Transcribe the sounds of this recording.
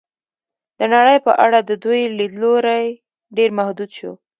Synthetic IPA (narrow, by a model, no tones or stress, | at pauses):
d̪̥ənaɽəjpəʔaɽad̪əd̪ujlid̪loɾaj | ɖeɾmahd̪ud̪ʃṵ